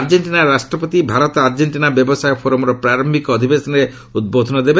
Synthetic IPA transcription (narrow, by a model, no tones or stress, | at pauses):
ɾd͡ʒeɳʈinaɾasʈɾɔpɔt̪ibʱaɾɔt̪ɔaɾd͡ʒeɳʈinabjɔbɔsajɔpʰoɾɔmɔɾɔpɾaɾɔmikɔd̪ʱibesɔnɾe | ud̪̚bod̪ʱɔnɔd̪ebe